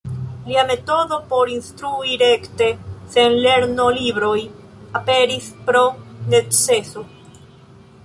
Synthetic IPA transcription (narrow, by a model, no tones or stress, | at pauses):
liamet̪oðopoɾinst̪ɾuiɾekt̪esenleɾnoliβɾoj | apeɾiθpɾonet̪sesu